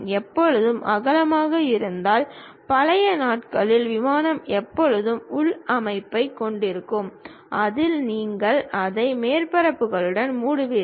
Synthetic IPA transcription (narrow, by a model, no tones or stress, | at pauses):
ɛpːɔɻɯðɯmʔɐɣɐlɐmaːɣɐɪɾɯnd̪aːl | pɐlɐjɐnaːʈkɐɭɪlʋɪmaːnɐmɛpːɔɻɯðɯmʊɭɐmɐɪpːɐɪkːɔɳɖɪɾɯkːɯm | ʔɐðɪlniːŋɡɐɭɐðɐɪmeːɾpɐɾɐpːɯɣɐɭɯɽɐnmuːɽʊʋɪ